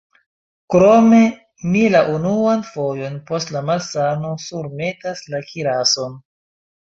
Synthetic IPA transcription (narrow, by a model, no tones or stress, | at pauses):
kɾo̞me̞ | milaʔunuanfo̞jo̞npo̞stlamalsano̞suɾme̞taslakiɾaso̞n